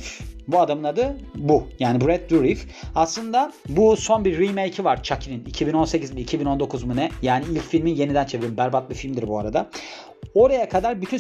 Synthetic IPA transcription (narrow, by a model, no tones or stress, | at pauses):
buad̪amɯnˠad̪ɯbujaːnibɾɛd̪̚d̪uɾif | aslˠɯnd̪abuso̞nbiɾːimejcʰivaɾt͡ʃʰacʰininicʰibino̞nsecʰizmiicʰibino̞nd̪o̞kʰuzmunɛjaːniilʲcfilʲminje̞nid̪ænt͡ʃʰe̞veɾimbæɾbat̪̚lˠɯfilʲmd̪iɾbuaɾad̪a | o̞ɾajakʰad̪aɾbyt̪ʰyn